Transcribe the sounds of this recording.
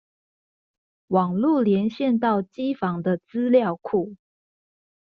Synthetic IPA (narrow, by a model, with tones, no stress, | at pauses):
wɑ˨˩ŋlu˥˨ljɛ˧˦nɕjɛ˥˨nt̪ɑ˥˨ʊt͡ɕi˦˥fɑ˧˥ŋd̪ə˨t͡sɹ̩˦ljɑ˥˨ʊkʰu˥˩